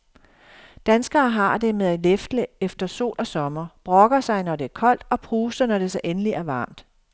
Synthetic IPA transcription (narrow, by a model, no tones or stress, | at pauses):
d̥ænsɡ̥ɐːɦɑ̈d̥e̝meðˠælefd̥ləefd̥ɐso̝̰ːlʔɒ̽sɒ̽mɐb̥ʁɒ̽ɡ̥ɐsɑ̈ɪnɒde̝æɐkʰɒ̽l̰d̥ɒ̽pʰʁuːsɐnɒd̥e̝sɒɪʔenəliæɐʋɑ̰̈ːmd̥